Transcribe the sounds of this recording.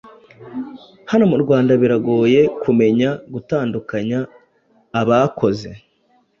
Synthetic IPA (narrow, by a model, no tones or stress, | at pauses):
hano̞muɾɡwaːndaβiɾaɡo̞ːje̞kʰume̞ɲaɡutaːndukaɲaː | βakʰo̞ze̞